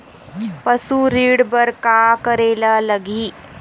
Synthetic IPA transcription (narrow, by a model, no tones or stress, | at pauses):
pəsuɾiːɽbəɾkakəɾelaləɡʱiː